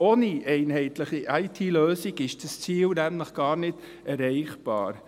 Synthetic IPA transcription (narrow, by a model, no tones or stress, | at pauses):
oːniʔɛɪnhɛɪt̪ləχiʔɑɪtʰiːløːsiɡɪʃd̥əst͡siːlnæmləχɡ̥ɑːɾnɪd̥ | ɛɾɛɪχb̥ɑ̰ːɾ